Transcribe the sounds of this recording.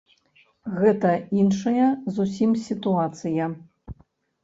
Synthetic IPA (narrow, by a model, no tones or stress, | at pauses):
ɣɛt̪ɐinʂɐjɐzusʲimsʲit̪uat̪sɨjɐ